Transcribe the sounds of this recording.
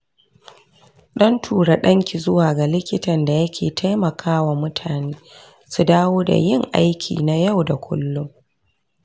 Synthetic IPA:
ɗɔ˦ntʰuː˨ɽa˨ɗɐ˦ŋkʲi˨zʊ˦waː˨ɡa˨lɪ˦kʲɪ˦tɐ˨nda˨jɐ˦kʲʰeː˨tʰa˦jmɐ˨kʰaː˦wa˨mʊ˦tʰaː˨neː˦ | su˨daː˦woː˦da̰˨jɪ˦ŋʔa̰˦jkʲʰḭː˨na˨ja˦˨wda˨kʷʰʊ̰˦lːʊ˦m

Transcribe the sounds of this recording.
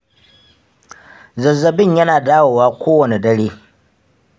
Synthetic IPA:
zɐ˨zːɐ˦bɪ˦ɲjɐ˦naː˨daː˦woː˨waː˦kʷoː˦wɐ˨ne˨dɐ˦ɽeː˦

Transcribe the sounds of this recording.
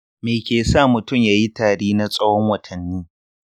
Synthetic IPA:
meː˨kʲeː˨saː˦˨mʊ˨tʊ˦˨mjaː˨ji˦taː˨ɽeː˦na˦sʼɐ˦hɔ˦ŋwɐ˨tʰɐ˨nːiː˦

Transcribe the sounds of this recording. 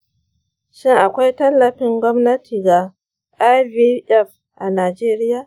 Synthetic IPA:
ʃɪ˦ŋʔa˨kʷa˦jtɐ˦lːɐ˨ɸɪ˦ŋɡʷɔ˦mnɐ˦tʰiː˨ɡa˨ | ʔa˦jbi˦ʔɛ˦˨f | ʔa˨naː˨d͡ʒeː˦ɾɪ˦jaː˨

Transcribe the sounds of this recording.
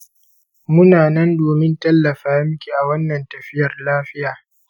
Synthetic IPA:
mʊ˦naː˨nɐ˦ndoː˨mɪ˦ntɐ˦lːɐ˨ɸaː˨˦jɐ˦m˦kʲi˨ʔa˨wɐ˦nːɐ˨ntɐ˨ɸɪ˦jɐ˨rlaː˦ɸɪ˦jaː˨

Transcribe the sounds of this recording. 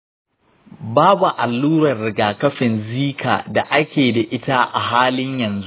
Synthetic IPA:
baː˦bu˨ʔa˨lːuː˦ɾɐ˨rɽɪ˨ɡaː˨kɐ˦ɸɪ˨nziː˦kʰa̰ː˨da˨ʔa˦kʲeː˨da˨ʔɪ˦ta˦ʔa˨ɦaː˦lɪ˦ɲjɐ˨nzu˦ʔ

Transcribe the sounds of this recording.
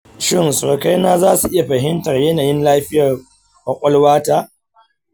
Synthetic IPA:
ʃɪ˦˨nso˨ka˦jnaː˦zaː˦su˨ʔɪ˦ja˨ɸɐ˨ɦɪ˦ntɐ˨rjɐ˦naː˨jɪ˦nlaː˦ɸɪ˦jɐ˨r | wɐ˨kʷʼɐ˦lwaː˦ta˦ʔ

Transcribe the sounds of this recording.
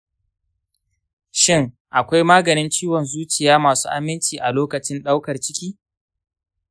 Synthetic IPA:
ʃɪ˦ŋ | ʔa˨kʷa˦jmaː˦ɡɐ˨nɪ˦nt͡ʃiː˦wɔ˨nzuː˦t͡ʃɪ˨jaː˦maː˨sṵː˦ʔa˦mːɪ˦nt͡ʃiː˨ʔa˨loː˦kɐ˨t͡ʃɪ˦nɗa˦wkɐ˨rt͡ʃɪ˦kʲiː˦

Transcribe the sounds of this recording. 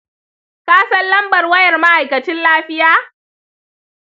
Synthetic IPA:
kaː˦sɐ˦nlɐ˦mbɐ˨rwɐ˦jɐ˨rma˦ʔa˨jkɐ˨t͡ʃɪ˦nlaː˦ɸɪ˦jaː˦

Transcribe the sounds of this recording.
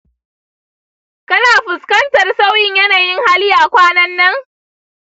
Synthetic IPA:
kɐ˦naː˨ɸɪ˨skɐ˦ntɐ˨rsa˦wjɪ˦ɲjɐ˦naː˨jɪ˦ŋha˦lɪ˦aː˨kʷaː˦nɐ˦nːɐ˦ŋ

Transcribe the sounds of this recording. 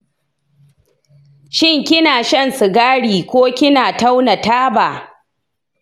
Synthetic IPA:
ʃɪ˦˨ŋkʲɪ˦naː˨ʃɐ˦˨nsɪ˨ɡaː˦ɽiː˨kʷoː˦kʲɪ˦naː˨ta˦wna˨taː˦baː˨

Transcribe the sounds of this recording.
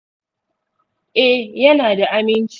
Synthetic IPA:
ʔɛ˦jɐ˦naː˨da˨ʔa˦mɪ˦nt͡ʃ

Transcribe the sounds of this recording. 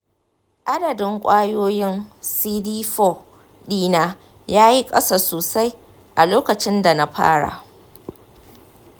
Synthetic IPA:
ʔa˦dɐ˨dɪ˦ŋkʷʼaː˦joː˦jɪ˦nsiː˦diː˦ɸo˦˨ | ɗiː˦naː˦ | jaː˦ji˦kʼɐ̰˦sa˨soː˨sa˦j | ʔa˨loː˦kɐ˨t͡ʃɪ˦nda˨na˦ɸa̰ː˦ɽa̰˨

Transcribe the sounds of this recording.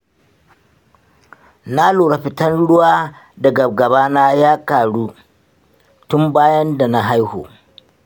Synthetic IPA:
na˦luː˨ɽa˦ɸɪ˨tɐ˦nɽʊ˦waː˦dɐ˨ɡɐ˨b̚ɡɐ˨baː˦na˦jaː˦kaː˨ɽuː˦ | tʊ˦mbaː˦jɐ˦nda˨na˨ɦa˦jho̰ː˨

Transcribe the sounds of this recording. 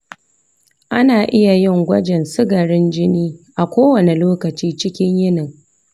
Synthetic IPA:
ʔa˦naː˨ʔɪ˦ja˨jɪ˦˨ŋɡʷɐ˦d͡ʒɛ˨nsɪ˦ɡɐ˨ɾɪ˦nd͡ʒɪ˦niː˦ʔa˨kʷoː˦wɐ˨ne˨loː˦kɐ˨t͡ʃiː˦t͡ʃɪ˦kʲɪ˦ɲjɪ˦nɪ˨ŋ

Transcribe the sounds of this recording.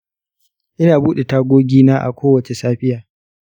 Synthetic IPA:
ʔɪ˦naː˨buː˦ɗe˨taː˦ɡʷoː˦ɡʲiː˦naː˦ʔa̰˨kʷoː˦wɐ˨t͡ʃe˨saː˦ɸɪ˦jaː˨

